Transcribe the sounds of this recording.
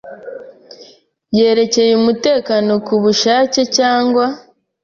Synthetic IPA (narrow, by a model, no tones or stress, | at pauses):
je̞ːɾe̞ce̞jumute̞ːkano̞kuβuʃaːcecaːŋɡwa